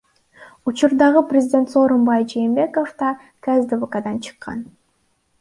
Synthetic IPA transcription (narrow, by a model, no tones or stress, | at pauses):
ut͡ʃuɾd̪ɑʁɯprʲɪzʲɪdʲe̞nt̪so̞ːɾombɑjd͡ʒejːmbʲe̞kofd̪ɑ | kazd̪əvokad̪ɑnt͡ʃʰɯ̥qːɑ̰n